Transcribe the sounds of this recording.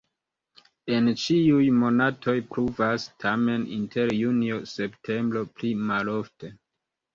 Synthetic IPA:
e̞nt͡ʃiujmo̞natʰo̞jpɾuvastʰame̞nḭntʰe̞ɾjunio̞se̞ptʰe̞mbɾo̞plimalo̞fte

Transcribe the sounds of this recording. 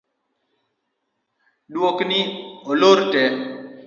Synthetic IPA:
dwoknɪoloɾtɛ

